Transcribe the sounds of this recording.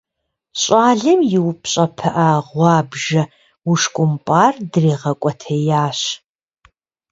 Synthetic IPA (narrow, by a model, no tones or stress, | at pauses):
ɕʼaːɮɨmjɪwpɕʼɐpʰɐʔaːʁʷɑːbʒɐ | uʂkʷʼʊmpʼaːrdreːʁɐkʷʼɔtʰɐjaːɕ